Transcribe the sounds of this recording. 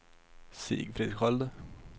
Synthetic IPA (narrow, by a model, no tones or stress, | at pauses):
sḭːɡfɾɪd̪ɾɪkhɔld̪